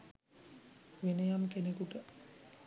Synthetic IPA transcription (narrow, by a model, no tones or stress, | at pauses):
ʋinejamkenekuʈə